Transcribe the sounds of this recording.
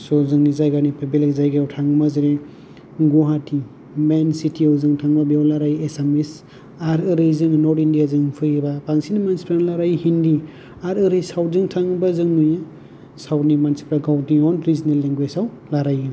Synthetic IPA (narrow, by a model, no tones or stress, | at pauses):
sɔzɯŋnizajɡanipʰebelekzajɡaawtʰaŋmaziɾe | ɡuɦatʰi | mensitʰiawzɯŋtʰaŋbabiawlaɾajesemis | aɾɯɾɯjzɯŋnɔɾtindijazɯŋpʰɯjbapaŋsinimansi̥pɾanalaɾajhindi | aɾɯɾɯjsawzɯŋtʰaŋbazɯŋnuja | sawtnimansi̥pɾaɡawtiɔnɾizinelːeŋɡwesaw | laɾajɯ